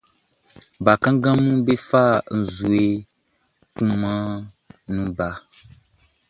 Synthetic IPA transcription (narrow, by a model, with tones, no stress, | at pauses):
ba˨kã˦ŋ˦ɡã˦mũ˦be˦fa˦˨n̩˨zu˨e˨ | kũ˦mã˦ | nũ˨ba˨